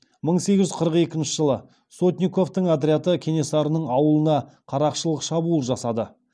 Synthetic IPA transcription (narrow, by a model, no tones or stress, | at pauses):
məɴse̞ɡʲɪʒʏɪ̥qʰəɾəqe̞kʲɪnʃɪʒəlˠə | so̞t̪nʲiko̞ft̪əɴad̪ɾʲijat̪əkʲʰene̞sɑɾənəɴɑwəlˠənɑ | qʰɑɾɑqʃəlˠəqʃɑbulˠʒɑsɑd̪ə